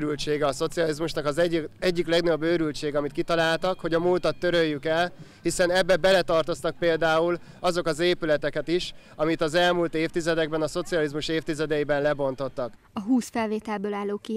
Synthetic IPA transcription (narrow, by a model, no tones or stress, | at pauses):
ɾylt͡ʃeːɡɛɒso̞t̪sijɒlizmuʃnɒkɒzɛɛɟːiklɛɡnɒjobːøːɾylt͡ʃeːɡɒmit̪kit̪ɒlaːlt̪ɒkho̞ɟɒmuːlt̪ɒt̪ːøɾøjːykɛlhisɛnɛbːɛbɛlɛt̪ɒrt̪o̞st̪ɒk̚peːld̪aːul | ɒzo̞kɒzeːpylɛt̪ɛkɛt̪iʃ | ɒmit̪ɒzɛlmult̪eːft̪izɛd̪ɛɡ̚bɛnɒso̞t̪siɒlizmuʃeːft̪izɛd̪ɛibɛnlɛbo̞n̪t̪o̞t̪ːɒk | ɒɦuːsfɛlveːt̪ɛlbøːlaːlːoːki